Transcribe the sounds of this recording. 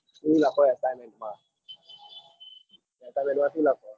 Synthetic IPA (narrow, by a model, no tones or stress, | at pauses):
t̪ʰilaːkɔjaːk̚t̪amɛnmaː | jaːt̪aːjmɛmaiːlakɔː